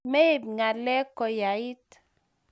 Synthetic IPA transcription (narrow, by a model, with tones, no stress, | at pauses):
me˦i˦˨b̚ŋa˨lɛ˦kɔ˨ja˨i˦t